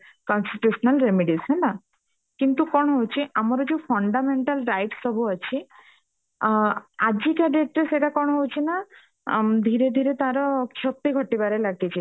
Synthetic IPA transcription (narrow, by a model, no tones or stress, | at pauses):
kɔnsʈiʈjusɔnalɾemiɖisɦɛna | kint̪ukɔɽ̃ɔɦowt͡ɕʰiʔamɔɾɔd͡ʑepʰɔɳɖameɳʈalɾajʈsːɔbʱuət͡ɕʰi | ad͡ʑikaɖeʈɾeseʈakɔɽ̃ɦowt͡ɕʰina | d̪ʱiɾed̪ʱiɾet̪aɾɔkʰjɔk̚t̪iɡʱɔʈibaɾelaɡit͡ʃʰi